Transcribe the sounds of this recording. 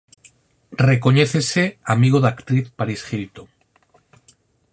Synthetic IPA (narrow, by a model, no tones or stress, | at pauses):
reko̞ɲeθeseamiɣ̞oðakt̪ɾiθpaɾisxilt̪oŋ